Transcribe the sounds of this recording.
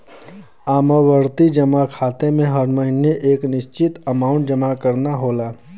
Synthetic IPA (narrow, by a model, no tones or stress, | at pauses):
aːməʋəɾt̪id͡ʒɐmakʰaːt̪emẽɦɐɾməɦɪneʔeːknɪʃt͡ʃɪt̪əmaːʊ̃ɳʈ̚d͡ʒəmakəɾnaɦoːlaː